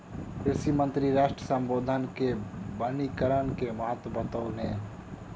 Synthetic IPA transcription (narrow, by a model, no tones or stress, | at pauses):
kɾɪsimə̃nt̪ɾiɾaːʃʈɾəsə̃mboːd̪ʱənkebənikəɾənkemɐɦət̪bət̪oːnẽː